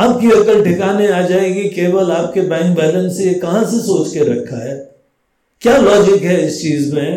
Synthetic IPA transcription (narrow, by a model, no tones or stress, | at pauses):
aːp̚kiɐkəlʈʰɪkaːneaːd͡ʒaːẽːɡikeːʋəlaːp̚kebɛ̃ːŋk̚bɛːlə̃nsejekɐɦãsesoːt͡ʃkeɾɐkʰːaɦɛː | kjaːlɔːd͡ʒɪkɦɛɪst͡ʃiːzmẽ